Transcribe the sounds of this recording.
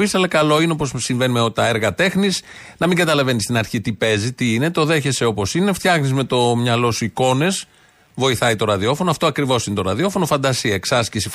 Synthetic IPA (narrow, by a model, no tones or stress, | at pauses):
ist̪elekɐlo̞ineop̬o̞ssːiɱve̞nimeot̪ɐeɾɣɐt̪e̞xnis | nɐmiŋɡɐt̪ɐlɐve̞nist̪inɐɾçit̪ipe̞zit̪iine̞t̪o̞ðe̞çe̞seo̞po̞sine̞ft̪çɐxnizme̞t̪o̞mɲɐlo̞suiko̞ne̞s | vo̞iθɐit̪o̞ɾɐðio̞fo̞noɐft̪oɐkɾivo̞sinet̪oɾɐðio̞fo̞nofɐnd̪ɐsiɐeksɐscisif